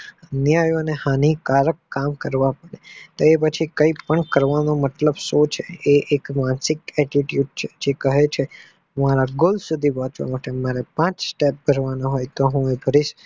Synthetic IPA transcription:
ənjajoənehanikaɾəkːamkəɾʋapəɽet̪oepət͡ʃʰikəipəɳkəɾʋanomət̪ləbsot͡ʃʰeeʔekmãnsɪkɛʈiʈjuɖ̚t͡ʃʰe̥d͡ʒekəɦet͡ʃʰe | maɾaɡolsud̪ʱipɔ̃t͡ʃʋa̰maʈemaɾepãt͡ʃsʈep̚bʱəɾʋanoɦojt̪oɦũebʱəɾiʃ

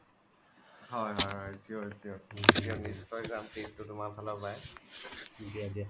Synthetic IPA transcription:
hɔjɦɔjɦɔjsiosiɔisiɔnisːɔjzamtip̚tʊtʊmakbʰʱalɔpaj | diadia

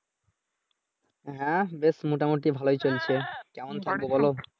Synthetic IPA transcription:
ɦɛ̃besmoʈamoʈibʱalojt͡ɕolt͡ɕʰekɛmont̪ʰak̚bobɔlo

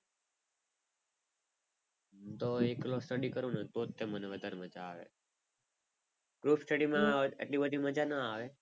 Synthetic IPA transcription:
t̪oeklosʈəɖikəɾũnət̪ot̪ːeməneʋəd̪ʱaɾməd͡ʒaːʋḛ | ɡɾupsʈəɖimãḛʈlibəd̪ʱiməd͡ʒanəaʋe

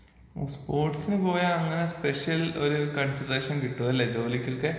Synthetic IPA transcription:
spoːrʈsinɨpo̞ːjɐːŋːɐnespeʂjɐlo̞ɾukɐɳsɐɖreːʂɐnkiʈːuʋɐilːɐd͡ʑo̞ːlikʲːokːe̞

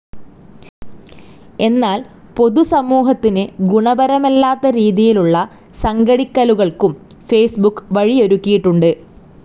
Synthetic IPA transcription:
e̞nːaːl | po̞ðusɐmuːɦɐt̪ːinɨɡuɳɐbɐɾɐmelːaːt̪ːɐɾiːðijiluɭːɐ | sɐŋɡɐɽikːɐluɣɐɭkum | fe̞ːsbukːʋɐɻio̞ɾukʲːijiʈːuɳɖɨ

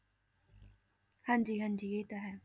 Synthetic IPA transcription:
hãːɲd͡ʒiːɦãɲd͡ʑiːjet̪aɦɛ

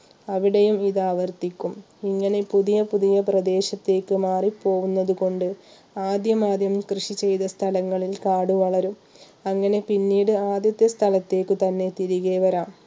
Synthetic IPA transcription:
ɐʋiɽejumiðaːʋɐrt̪ikʲːum | iŋːɐne̞puðijɐpuðijɐprɐd̪e̞ːɕɐt̪ːe̞ːkːɨmaːripo̞ːɣunːɐðuko̞ɳɖɨ | aːd̪jɐmaːd̪jɐmkrɨʂit͡ɕe̞jðɐst̪ʰɐlɐŋːɐɭilkaːɽuʋɐɭɐɾum | ɐŋːɐne̞pinːiːɽɨaːd̪jɐt̪jɐst̪ʰɐlɐt̪ːe̞ːkːɨt̪ɐnːe̞t̪iɾiɣeːʋɐɾaːm

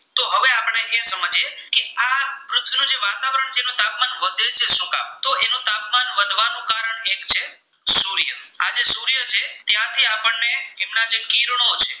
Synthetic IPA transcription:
t̪oɦəʋeapəɳ̃eʔesəməd͡ʒekeapɾʊt̪ʰʋinũd͡ʒeʋat̪aʋəɾəɳt͡ʃʰeenũt̪ap̚manʋəd̪ʱet͡ʃʰeʃũka̰mt̪oenũt̪apmanʋəd̪ʱʋanũkaɾəɳekt͡ʃʰe | suɾjəad͡ʒesuɾjət͡ʃʰet̪jãt̪ʰiapəɳːeemnad͡ʒekiɾɳ̃ot͡ʃʰe

